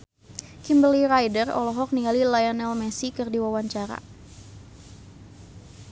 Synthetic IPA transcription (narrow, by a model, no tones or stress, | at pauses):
kimbəliɾajdərɔ̰lɔɦɔk̚niŋɡalilajanɛlmɛsikɨrdiwawaɲt͡ʃaɾa̰